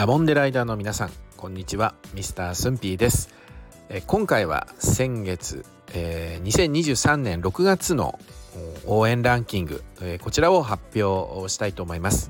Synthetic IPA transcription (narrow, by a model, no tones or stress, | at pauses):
amõ̞nd̪e̞ɾaid̪aːno̞mʲinasã̰ŋkõ̞ɲ̟ːit͡ɕiβamʲisɨ̥t̪aːsɨ̃mpʲiːd̪e̞sɨ̥ | ekõ̞ŋkaiβa̰sẽ̞ŋɡe̞t͡sɨ̰ | eɲ̟isẽ̞ɲ̟ːiʑɨːsãnːẽ̞nɾo̞kɯ̟ɡat͡sɨno̞̰ | oːẽ̞nɾãŋkʲĩŋɡɯ̟̰eko̞t͡ɕiɾao̞ɦapʲːjo̞ːɕi̥t̪ait̪o̞ːmo̞imasɨ̥